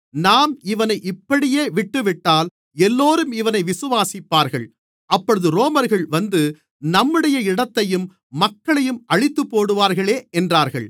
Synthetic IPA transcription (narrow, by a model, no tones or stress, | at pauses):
naːmɪʋɐnɐɪʔɪpːɐɽɪjeːʋɪʈːɯʋɪʈːaːl | ɛlːoːɾɯmɪʋɐnɐɪʋɪsɯʋaːsɪpːaːɾɣɐɭ | ʔɐpːɔɻɯðɯɾoːmɐɾɣɐɭʋɐnd̪ɯ | nɐmːɯɽɐjɐɪɽɐt̪ːɐjɯmː | ɐkːɐɭɐjɯmɐɻɪt̪ːɯpːoːɽɯʋaːɾɣɐɭeːʔɛndraːɾɣɐ̰ɭ